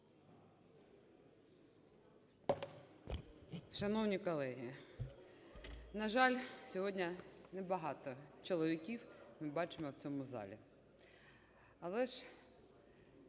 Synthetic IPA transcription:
ʃɐnɔwnʲikɔlˠɛɦi | nɐʒɑlʲsʲɔɦɔdʲnʲɐnɛbɐɦɑt̪ɔt͡ʃɔlˠɔʋʲikʲiwmɪbɑt͡ʃemɔwt͡sʲɔmʊzɑ̰lʲḭ | ɐlˠɛʃ

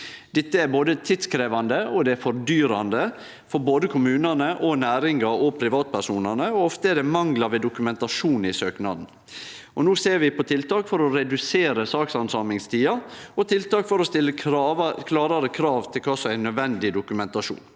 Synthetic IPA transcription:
d̪̥ɛt̪ːəæɾboːd̪ət̪ʰɪt̪skɾeːʋɑnd̪əɔd̪ɛæɾfɔɾd̪yːɾɑnd̪ə | fɔɾboːd̪əkʰʊmʉːnənəʔɔnæːɾɪŋɡɑɔpʰɾɪʋɑːt̪̚pʰæʂuːnɑnəɔɔft̪əæɖ̪ɛmɑŋlɑʋeːd̪ʊkʉmɛnt̪ɑʂuːnɪsøːknɑ̰d̪n̩ | ʔɔnuːseːɾʋɪpʰɔt̪ʰɪlt̪ɑːkfɔɾɔɾɛd̪ʉseːɾəsɑːksɑnsɑːmɪŋst̪ʰiːɑɔt̪ʰɪlt̪ɑːkfɔɾɔst̪ɪlːəkʰlɑːɾɑɾəkʰɾɑːʋt̪ʰɪlkʰɑːsɔmæɪnːœd̪ʋɛnd̪ɪd̪ʊkʉmɛnt̪ɑʂṵːn

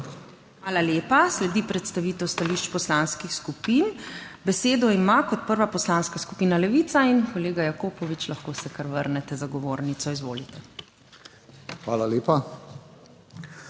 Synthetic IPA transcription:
xʋaːlaljeːpaslɛd̪iːpɾɛt̪st̪aʋiːt̪ɛwst̪aliʃt͡ʃpɔslanskixskupiːnbɛseːd̪ɔimakɔt̪̚pəɾʋapɔslaːnskaskupiːnalɛʋiːt̪sainkɔleːɡajakoːpɔʋit͡ʃlaxkoːsɛkaɾʋəɾnɛt̪ɛzaɡɔʋoːɾnit̪sɔizʋo̰ːlit̪ɛ | xʋaːlaleːpa

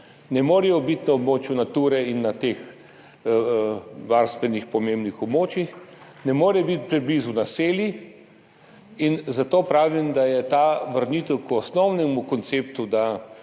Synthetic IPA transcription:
nɛmoːɾɛjɔbit̪naobmoːt͡ʃjunat̪uːɾɛinːat̪ex | ʋaɾst̪ʋɛnixpɔmembnixɔbmoːt͡ʃjix | nɛmoːɾɛbit̪̚pɾɛblizunaseːlji | inzat̪oːpɾaːʋimd̪ajɛt̪aʋəɾnit̪ɛwkɔsnɔwnɛmukɔnt̪seːp̚t̪ud̪a

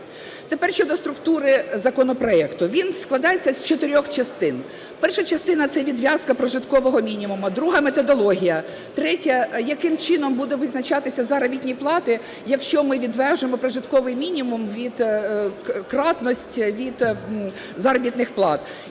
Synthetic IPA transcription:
t̪epɛrʃt͡ʃɔd̪ɔst̪ɾʊkt̪uɾɪzɐkɔnɔpɾɔɛkt̪ʊʋʲinsklˠɐd̪ɑjet͡sʲːɐzʲt͡ʃɔt̪ɪɾʲɔxt͡ʃɐst̪ɪn | pɛrʃɐt͡ʃɐst̪ɪnɐt̪sɛʋʲid̪ʋʲjɑzkɐpɾɔʒɪt̪kɔʋɔɦɔmʲinʲimumɐd̪ɾuɦɐmet̪ɔd̪ɔlˠɔɦʲijɐ | t̪ɾɛtʲɐjɐkɪmt͡ʃɪnɔmbud̪ɛʋɪznɐt͡ʃɑt̪ɪsʲɐzɐɾɔbʲit̪ʲnʲiplˠɑt̪ɪ | jɐkʃt͡ʃɔmɪʋʲid̪ʋɛʒnemɔpɾɔʒɪt̪kɔʋɪjmʲinʲimumʋʲid̪ | kɾɑt̪nɔsʲtʲʋʲid̪ | zɐɾɔbʲit̪nɪxplˠɑt̪

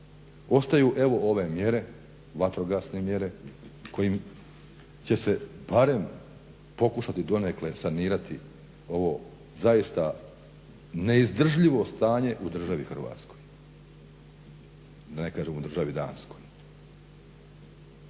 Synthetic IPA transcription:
o̞st̪ajuːʔe̞ʋo̞ʔo̞ʋe̞mje̞ɾe̞ | ʋat̪ɾo̞ɡasnemje̞ɾe̞ko̞jim | t͡ɕe̞se̞b̥aɾe̞m | po̞kuʃat̪id̪o̞nekle̞saniːɾat̪i | o̞ʋo̞ | zajist̪a | ne̞izd̪r̩ʒʎiʋo̞st̪aːɲe̞ʔud̪r̩ʒaʋixr̩ʋa̰ːt̪sko̞j | d̪ane̞kaːʒemud̪r̩ʒaʋid̪a̰ːnsko̞j

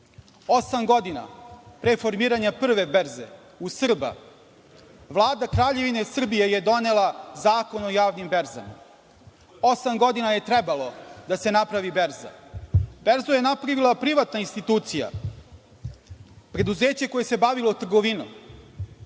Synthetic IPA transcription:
osamɡo̞d̪ina̰pɾefo̞ɾmiːɾaɲapr̩ʋe̞beɾzḛ | usr̩ba̰ | ʋlˠaːd̪akɾaːʎe̞ʋine̞sr̩bije̞jed̪o̞ne̞lˠazaːko̞no̞jaːʋnimbeɾza̰ma̰ | osamɡo̞d̪inaje̞t̪ɾebalˠo̞d̪ase̞napɾaʋibeɾza̰beɾzojenapɾaʋilˠapɾiʋat̪nainst̪it̪uːt̪sija̰ | pɾe̞d̪uzeːt͡ɕe̞ko̞je̞se̞baʋilˠot̪r̩ɡo̞ʋino̰

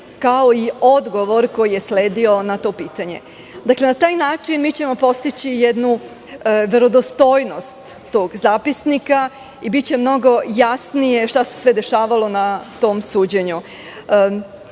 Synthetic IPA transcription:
kao̞io̞d̪ɡo̞ʋo̞ɾko̞jije̞sleːd̪io̞nat̪o̞ːpiːt̪aɲe̞̰ | d̪akle̞nat̪aːjnaːt͡ʂinmit͡ɕe̞mo̞po̞st̪it͡ɕijɛd̪nu | ʋe̞ɾo̞d̪ost̪o̞ːjno̞st̪ːo̞ːɡzaːpisnika | ibit͡ɕe̞mno̞ɡo̞jasnije̞ʃt̪ase̞̥sʋed̪e̞ʃaːʋalo̞nat̪o̞ːmsuːd͡ʑeɲu

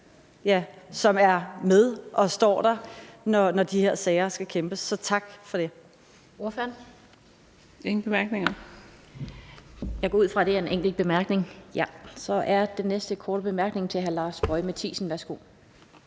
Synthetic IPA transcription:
jæsɒ̽mæɐmeðˠʔɒ̽sd̥ɒ̰ːd̥ɑ̈nɒnɒd̥iheɐsɛːɪɐsɡ̥ækʰemb̥əsːɒ̽t͡sʰɑ̈ɡ̥fɒ̽ɾ̥e̝ | o̝ɐføɐn | eŋn̩b̥emæɐɡ̥neŋɐ | jɑ̈ɪɡ̥ɒuð̰ˠfʁɑ̈ɾ̥e̝æɐe̝nʔeŋ̰ɡ̥l̩̚b̥e̝mæɐɡ̥ne̝ŋjæsɒ̽ʔæɐd̥enːesd̥əkʰɒːɾ̥əb̥e̝mæɐɡ̥ne̝ŋt͡sʰe̝ɦælɑ̈ːsb̥ɒ̽ɪmæt͡sʰḭːsn̩ʋæɐsɡ̥o̝̰

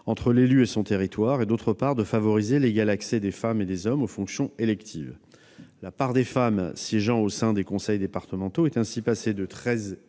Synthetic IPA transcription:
ɑ̃t̪χəlelyesɔ̃t̪eʁit̪waʁed̪ot̪χəpaʁd̪əfavɔʁizeleɡalaksɛd̪efamed̪ezɔmofɔ̃ksjɔ̃elɛkt̪ʰiv | lapaʁd̪efamsjeʒɑ̃osɛ̃d̪ekɔ̃sɛjd̪epaʁt̪əmɑ̃t̪oɛt̪ɛ̃sipased̪ət̪χɛz

